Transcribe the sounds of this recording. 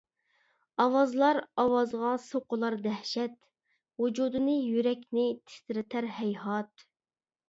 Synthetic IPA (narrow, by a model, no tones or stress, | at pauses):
ɑwɑzlˠɑɾɑwɑzʁɑsoqəlˠɑɾd̪æhʃɛt̪ | wud͡ʒud̪ɨnɨjyɾɛkʲnɪt̪ʰɪ̥st̪ɪɾɪt̪ʰæɾhɛjhɑt̪